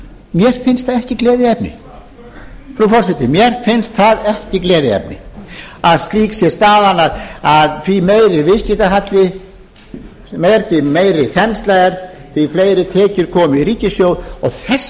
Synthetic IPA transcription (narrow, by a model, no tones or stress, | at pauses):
mjɛɾ̥fɪnst̪θaðɛhcɪklɛːðɪɛp̚nɪ̰ | fɾufɔr̥sɛt̪ɪmjɛɾ̥fɪnst̪θaðɛhcɪklɛːðɪɛ̰pnɪ̰aðst̪liːksjɛst̪aːðanaðaðθvimeːjɾɪvɪscɪt̪aɦat̪lɪ | mɛɾθimejɾɪfɛnst̪lajɣaɾ̥θifleːjɾɪt̪ʰɛːcʏɾkʰɔːmɪiriːcɪsjowðɔθɛs